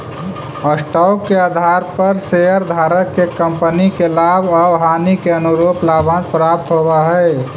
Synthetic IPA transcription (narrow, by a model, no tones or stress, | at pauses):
əsʈɔːkːead̪ʱaɾpəɾsejəɾd̪ʱaːɾəkːekə̃mpənikelaːbʱəʋɦaːnikeənuɾoːplaːbʱə̃nd̪pɾap̚t̪ɦobaɦɛe